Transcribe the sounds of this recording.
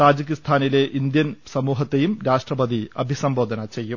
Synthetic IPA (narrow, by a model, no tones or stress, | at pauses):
t̪aːd͡ʑɐkist̪ʰaːnile̞ʔind̪jɐnsɐmuːɦɐt̪ːe̞jumɾaːʂʈrɐbɐd̪iɐ̰bʱisɐmbo̞ːd̪ʱɐnɐt͡ɕe̞jːum